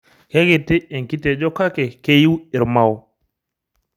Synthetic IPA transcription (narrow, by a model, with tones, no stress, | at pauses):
ke˦ke˨ti˦e˨ŋki˦te˨d͡ʒo˦ka˦ke˨ke˦ji˦wi˨ɾma˦˨w